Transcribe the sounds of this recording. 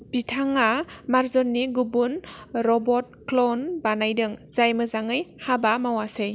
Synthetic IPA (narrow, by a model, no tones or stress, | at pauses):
b̥itʰaŋamaɾzɔnːiɡubun | ɾɔbɔt̚klɔnbanajdɯŋz̥ajmɯzaŋɯjhabamawasɯj